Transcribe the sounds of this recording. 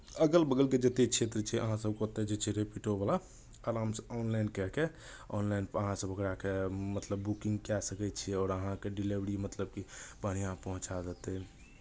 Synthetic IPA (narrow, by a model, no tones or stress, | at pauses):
əɡəlbəɡəlked͡ʒət̪ekt͡ʃʰet̪ɾət͡ʃʰɛʔəɦãsəbkot̪ed͡ʒet͡ʃʰɛɾepiʈobala | aɾamsɔnlajnkɛke | ɔnlajnpəəɦãsəbʱəkɾakemət̪ləbːukĩŋɡkɛsəkɛt͡ʃʰiɛɔːɾəɦãkeɖilebɾimət̪ləb̚kibəɽ̤̃ijãpəɦũt͡ʃad͡ʒət̪ɛ